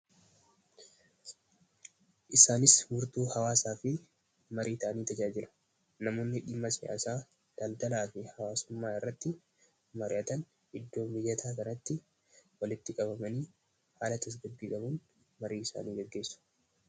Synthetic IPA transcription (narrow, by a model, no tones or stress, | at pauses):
ʔɪsaːnɪsmʊɾt̪uːhɐwaːsaːfɪ | mɐɾʔiːt̪ɐʔɐniːt̪ɐd͡ʒaːd͡ʒɪlɐ̥ | nɐmoːnːɪᶑɪmːɐsɪa̰ːsaː | d̪̥ɐld̪ɐlaːfɪhɐwaːsʊmːaːɪrːɐt̪ːɪ | mɐɾɪ̰ʔɐt̪ɐn | hɪd̪ːo̞ːmbɪjːɐt̪ʰaːkɐnɐt̪ːɪ | wɐlɪt̪ːɪkʼɐbɐmɐniː | haːlɐt̪ɐs̬ɡɐd̪ːiːkʼɐbʊn | mɐɾiːɪsa̰ːniːɡɛɡːe̞ːsːʊ̥